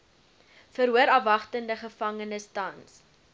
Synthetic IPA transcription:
fəɾɦuəɾɐvɐχtəndəχəfɐŋənəstɐns

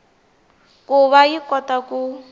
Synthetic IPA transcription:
kuβajikɔtaku

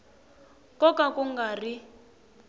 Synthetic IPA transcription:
kɔkakuŋɡari

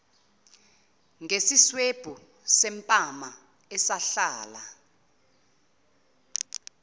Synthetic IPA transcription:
ŋʱesisweb̥ʱu | sɛmpʼama | ɛsaɬaːla

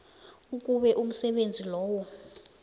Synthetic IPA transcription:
uk̬ʼuɓɛʔum̩sɛɓend͡zʱilɔːwɔ

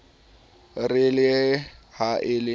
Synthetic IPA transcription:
rɪlɪhaʔɪlɪ

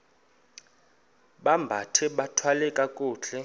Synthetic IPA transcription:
ɓambʱatʰɛɓatʰwalɛkʼakʼuːt͡ɬɛ

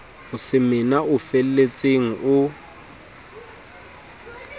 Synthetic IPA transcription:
ʊsɪmɪnaʊfellet͡sʼeŋ̩ʊ

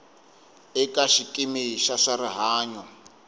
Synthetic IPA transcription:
ɛkaʃikʼimiʃaʂaɾiɦaːɲɔ

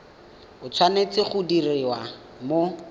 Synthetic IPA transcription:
ʊt͡sʰwanet͡sɪχʊdirɪwa | mo

